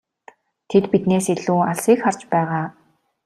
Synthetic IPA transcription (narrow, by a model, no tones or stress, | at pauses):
t̪ʰet̪pit̪neːsiɮuːaɮsiːkχart͡ɕpæːʁaː